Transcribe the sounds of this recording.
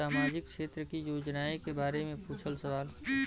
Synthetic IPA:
aːmaːd͡ʒɪk̚ʰʃeːt̪ɾəkijoːd͡ʒnaːekebaːɾemẽpuːt͡ʃʰəlsəʋaːl

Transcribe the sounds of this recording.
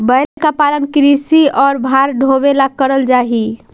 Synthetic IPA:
bəjlkapalənkɾisiɔːɾbʱaɾɖʱobelakəɾəld͡ʒaɦi

